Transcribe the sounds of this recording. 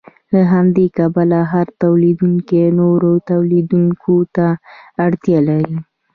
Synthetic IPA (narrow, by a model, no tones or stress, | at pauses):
laɦamd̪ekabalaɦaɾt̪awlid̪uŋkenoɾot̪awlid̪uŋkʰot̪aːɽt̪jɑlaɾi